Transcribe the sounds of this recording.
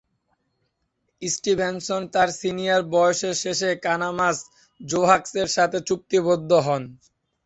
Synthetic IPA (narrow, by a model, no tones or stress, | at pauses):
isʈibʱensont̪aɾsinijaɾbɔjoʃeɾʃeʃekanamas | d͡ʑoɦakseɾʃat̪ʰet͡ɕuk̚t̪ibod̪ʱːoɦɔn